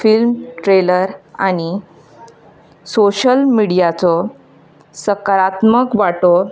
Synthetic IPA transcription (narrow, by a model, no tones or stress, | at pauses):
filmʈɾeləɾaɽ̃i | soɕəlmiɽijat͡sɔ | səkəɾat̪məkʋaʈɔ